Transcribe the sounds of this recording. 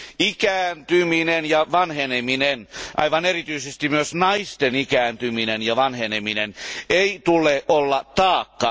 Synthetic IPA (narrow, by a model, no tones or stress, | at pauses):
ikæːnt̪yminenjɑʋɑnheneminenʔɑ̰iʋɑnerit̪yisest̪imyøsnɑist̪enikæːnt̪yminenjɑʋɑnhenemineneit̪uleʔʔolːɑt̪ɑːkːɑ